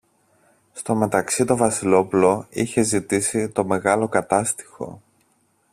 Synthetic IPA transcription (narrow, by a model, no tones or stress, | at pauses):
st̪o̞me̞t̪ɐksit̪o̞vɐsilo̞pulo̞içe̞zit̪isit̪o̞me̞ɣɐlokɐt̪ɐst̪i̥xo̞̰